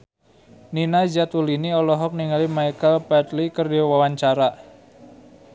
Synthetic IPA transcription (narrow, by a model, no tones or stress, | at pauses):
ninazat̪uliniɔlɔɦɔk̚niŋalimajkəlpɛt̪likərdiwawaɲt͡ʃaɾa